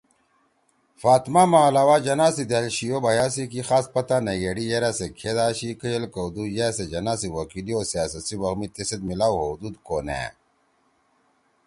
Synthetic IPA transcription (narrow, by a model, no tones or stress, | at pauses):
faːt̪mamaːlaːwaːd͡ʑɐnaːsid̪elɕijobɐjaːs̬ikixaːspɐt̪aneɡeɽijeɾasekʰeːd̪aːɕikəjɐlkɐwd̪uːjesed͡ʑɐnaːsiwɐkilioːsijaːsɐt̪siwɐɣmit̪esed̪̚milaːwɦod̪uːd̪koːnḛː